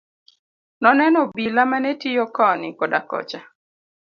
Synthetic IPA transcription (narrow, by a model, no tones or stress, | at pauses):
nɔnɛnɔbilamanɛtijɔkɔnɪkɔdakɔ̰t͡ʃa